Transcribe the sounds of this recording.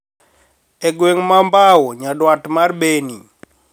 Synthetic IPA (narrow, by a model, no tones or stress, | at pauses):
eɡweŋmambawɔɲadwatmarbeni